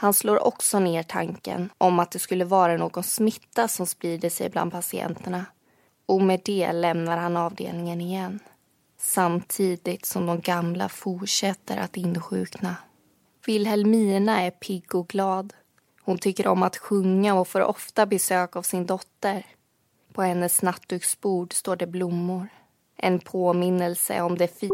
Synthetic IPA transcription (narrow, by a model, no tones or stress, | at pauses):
hansloːɾʔɔ̰ksɔneːʈʰa̰ŋkə̰nʔɔmat̪̚d̪ɛskɵlːəvɑːɾanoːɡɔnsmɪt̪ːasɔmspɾiːd̪əʂɛ̰jbla̰nd̪̚pʰasɪɛ̰nt̪əɳa | ɔmɛd̪ɛːlɛmnaɾhanɑːvd̪ḛːlnɪŋənɪjɛnː | samt̪ʰiːd̪ɪt̪sɔmd̪ɔmɡamla̰fʊʈʂɛt̪ːə̰ɾʔa̰t̪ɪnːɧʉ̟̰ːkna | vɪlɦɛlmiːɳaæɾpʰɪɡːɔɡlɑːd̪ | hʊnt̪ʰʏkːəɾɔ̰mat̪ɧɵŋːaɔfoɾʔɔ̰ft̪abɛsøːkavsɪnd̪ɔt̪ːəɾ | pʰɔhɛnːəsnat̪ːʉksbuːɖst̪oːɖɛblʊmːʊɾ | ʔɛnpʰoːmɪnːəlsə̰ɔmd̪ɛf